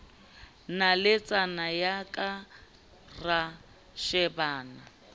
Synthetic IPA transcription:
nalɪt͡sʼanajakʼa | ra | ʃɛbaːna

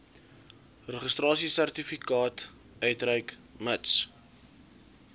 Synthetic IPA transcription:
rəχəst̪rɑːsisært̪ifikɑːt | œɥtrɛjk | məts

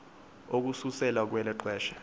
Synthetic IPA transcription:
ok̬ususɛlak̬wɛlɛǃɛːʃɛ̥

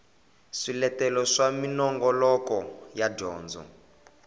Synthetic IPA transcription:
ʂilɛtɛlɔʂaminɔŋɡɔlɔkɔjadɔːnd͡zɔ̰n

